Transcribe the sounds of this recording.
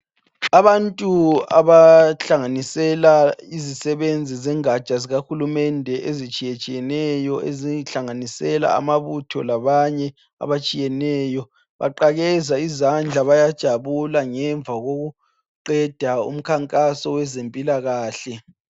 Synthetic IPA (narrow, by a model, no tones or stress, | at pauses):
aβantʼua̰βaɬaŋanisɛlaizisɛβend͡zʱizɛŋḁt͡ʃaziɣaxulumɛndʱɛʔezit͡ʃʼijɛt͡ʃʼijɛnɛjɔeziɬaŋanisɛla̰a̰maβutʰɔ̰laβaɲɛ | a̰βat͡ʃʼijɛnɛːjɔ | βa̰ǃaɣɛzaizand͡ɮʱaβajad̥ʒ̥ʱaβulaŋɛɱvʱaɣoɣu | ǃɛd̥ʱaṵm̩kʰaŋkʼasɔwɛzempʼilaɣaːɬɛ